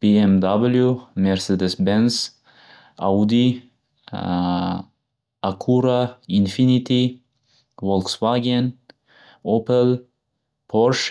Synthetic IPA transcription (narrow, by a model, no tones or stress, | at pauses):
b̥eɛmd̪abəljumɛɾsed̪əsbɛns | a̰wd̪i | akʰuɾainfinit̪i | wɔlksvaɡiən | opəl | pʰɔɾʃ